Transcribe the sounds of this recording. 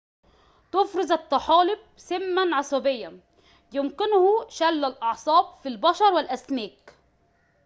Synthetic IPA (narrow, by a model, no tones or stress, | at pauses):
t̪ʊfɾɨzɑt̪ːɑħɑːlɪb̚sɪmːanʕɑsˤɑbɪjːa | jɪmkɪnhʊʃalːalʔɑʕsˤɑːb̚filbɑʃɑɾˤwɪlʔasmeːk